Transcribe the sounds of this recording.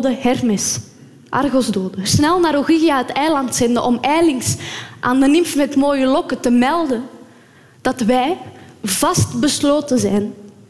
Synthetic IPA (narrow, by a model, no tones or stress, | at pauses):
dəhɛrmɪs | ʔɑ̰rɣɔzdoːdəsnɛlˠnaːɾoɣiɣijaɦətɛjlɑntsɛndəʔɔmɛjlɪŋsʔaːndənɪmfmɛtmoːjəlɔkətəmɛlˠdən | d̥ɑtʋɛːjv̥ɑstbəsloːtəzɛjn